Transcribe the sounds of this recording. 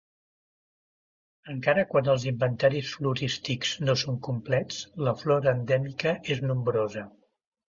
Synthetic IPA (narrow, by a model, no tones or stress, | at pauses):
əŋkaɾəkwanəlˠzimbənt̪aɾisfluɾist̪ikz̥nosoŋkumplɛt͡sləflɔɾəːnd̪ɛmikəeznumbɾozə